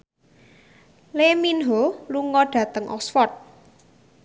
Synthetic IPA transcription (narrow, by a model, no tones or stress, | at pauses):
leminɦoluŋɔɖ̥ä̤t̪əŋʔɔ̰ksfɔrt̪̚